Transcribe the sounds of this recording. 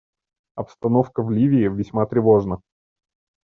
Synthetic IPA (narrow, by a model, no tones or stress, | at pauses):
ɐpst̪ɐno̞fkəvlʲivʲɪːvʲɪsʲmat̪ɾʲɪvo̞ʐnə